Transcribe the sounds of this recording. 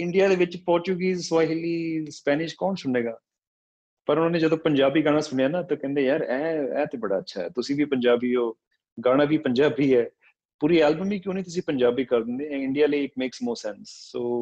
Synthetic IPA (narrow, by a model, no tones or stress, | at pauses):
ɪɳɖijaːd̪eːʋɪt͡ʃpɔːɾt͡ʃuːɡiːzswaːɦɪliːspɛːnɪʃkɔːnsʊɳeːɡaː | pəɾʊnãːneːd͡ʒəd̪õːpəɲd͡ʒaːbiːɡaːɽ̃aːsʊɳejaːnaːt̪aːkɛ̃ːnd̪eːjaːɾɛːɛːt̪eːbəɽa̰ːətːʃʰa̰ːɛ̰ːt̪ʊsĩːʋiːpəɲd͡ʒaːbiːoː | ɡaːɽ̃aːbʱiːpəɲd͡ʒaːbiːɛː | puːɾiːɛːlbəmʋiːkjõːnĩːt̪ʊsĩːpəɲd͡ʒaːbiːkəɾd̪ɪ̃nd̪eːɛ̃ɪɳɖijaːləiːmeːksmɔːɾsɛnsːoː